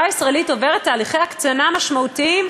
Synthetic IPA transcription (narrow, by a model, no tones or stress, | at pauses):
aisʁaelito̞veʁet̪ːaːliχejakt͡sanamaʃmautiim